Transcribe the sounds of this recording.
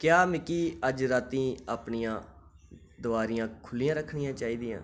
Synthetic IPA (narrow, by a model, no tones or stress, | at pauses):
kjaːmɪkiːəd͡ʒɾaːt̪ĩːaːpɳijãː | d̪ʊaːɾijãːkʰʊlːijãːɾəkʰɳɪjãːt͡ʃaːiːd̪iːã̰ː